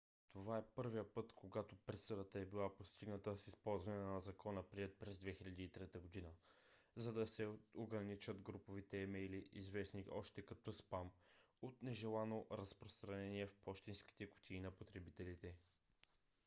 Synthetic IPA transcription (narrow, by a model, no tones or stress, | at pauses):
t̪ovaɛpɤɾvijəpɤt̪koɡat̪opɾɛt̪səd̪ət̪əɛbilˠapost̪iɡnət̪əsispɔlˠzvɐnɛnɐzɐkɔnəpɾiɛt̪̚pɾɛzd̪vɛxilʲɐd̪iːt̪ɾɛt̪əɡod̪inə | zɐd̪ɐsɛoɡɾɐnit͡ʃəd̪ɡɾupovit̪ɛːmɛjliizvɛsniʔɔʃt̪ɛkɐt̪ɔspam | ot̪nɛʒɛlˠanoɾɐspɾost̪ɾɐnɛniɛfpɔʃt̪inski̥t̪ɛkʊ̥t̪ʰʲiːnɐpot̪ɾɛbit̪ɛlit̪ɛ